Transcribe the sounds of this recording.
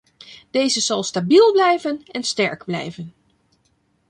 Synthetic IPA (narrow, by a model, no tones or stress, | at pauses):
d̥ejzəzɑlˠstabilˠblɛjvənɛnstɛ̰ɹɡblɛ̰jvən